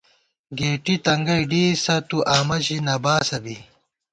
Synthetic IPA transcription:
ɡeːʈit̪ɐŋɡɐjɖiːsɐt̪uʔaːmɐʑinɐbaːsɐbi

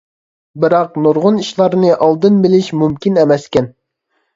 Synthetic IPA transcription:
bɨɾɑqnuɾʁʊniʃlˠɑɾnɨʔɑlˠd̪ɨnbɪlɪʃmumkʲinɛmɛskʲɛn

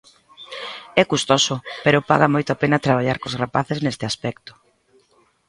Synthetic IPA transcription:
ɛkust̪ɔsʊpeɾʊpa̰ɣamojt̪oapenɐt̪ɾaβ̞aʎaɾkozrapaθeznest̪ɪaspɛkt̪ʊ̥

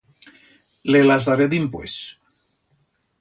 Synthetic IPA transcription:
lelazðaɾed̪impwḛs

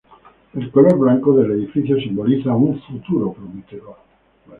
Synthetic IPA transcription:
ilkoloɾblaŋkod̪elːed̪ifit͡ʃjosimbolid̪zauɱfut̪uːɾopɾomet̪ːevo

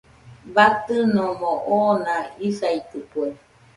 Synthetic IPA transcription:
bat̪ɨnõmõʔonãisait̪ɨpue

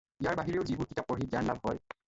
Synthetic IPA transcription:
ijaɹbaɦiɹeʊzibuɹkitʰapːɔɹɦitijaɹnla̰bɦɔ̰j

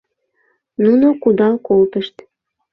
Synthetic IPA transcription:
nunokud̪ɑlkolt̪əʃt̪

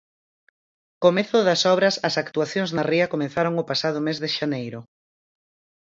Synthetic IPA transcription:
komeθʊðɐsɔβɾɐsɐsakt̪uaθjoŋznɐriɐkomẽn̟θaɾoŋʊpasað̞ʊmezðɪʃanejɾʊ

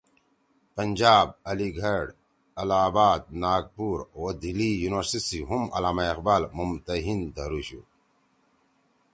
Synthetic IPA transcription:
pɐnd͡ʑaːb̚ɐliɡʱɐɽ | ɐlaːbaːd̪̚naːɡ̚puɾoːd̪ilijunwəɾsisiɦumɐ̰laːmaiqbaːlmumt̪ɐɦind̪ɐɾuɕṵ

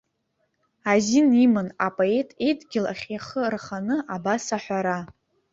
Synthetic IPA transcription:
azinimɨnapʼoe̞tʼejdʼɡʲɪla̰χʲjaχərχanɨʔabasaħʷᶣaɾa

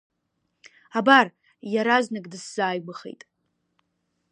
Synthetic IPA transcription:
abar | jaɾaznɨɡʼdɨsz̥aːjɡʷɨχḛjtʼ

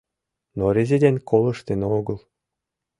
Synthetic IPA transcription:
noɾʲezʲed̪ʲenkʰolˠɤ̆ʃt̪eneoɡɤlˠ

